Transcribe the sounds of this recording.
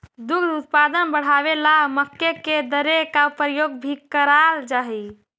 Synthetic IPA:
d̪ukd̪ut̪̚pad̪ənbəɽ̤aʋelaməkːeked̪əɾekapɾəjoːɡ̚bʱikəɾald͡ʒaɦi

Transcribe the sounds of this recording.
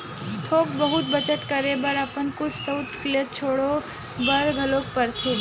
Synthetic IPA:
t̪ʰok̚bəɦut̪bət͡ʃət̪kəɾebəɾapənkʊt͡ʃʰsəwt̪klet̪̚t͡ʃʰoɽo | bəɾɡʱəlokpəɾt̪ʰe

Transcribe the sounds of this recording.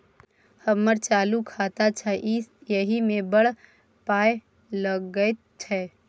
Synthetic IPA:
həmːəɾt͡ʃaːlukʰat̪at͡ʃʰəʔisjəɦimẽbəɽ̤ | paːe | ləɡəet̪̚t͡ʃʰɛ

